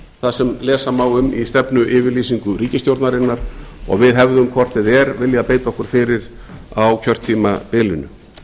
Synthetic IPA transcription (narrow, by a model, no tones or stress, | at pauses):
θaðsɛmlɛːsamawʏmist̪ɛpnʏʔɪːvɪɾliːsiŋkʏɾiːcɪst̪jowɾt̪naɾɪnːaɾ̥ɔ̰ɣvɪðɦɛvðʏmkʰvɔr̥t̪ɛðɛɾvɪljapeːjt̪aɔhkʏɾ̥fɪɾɪɾ | awcʰœr̥t̪ʰːiːmapɪːlʏnʏ